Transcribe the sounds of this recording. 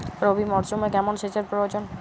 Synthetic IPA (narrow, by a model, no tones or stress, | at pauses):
ɾobimɔɾsumekɛmonʃeʃeɾpɾood͡ʑon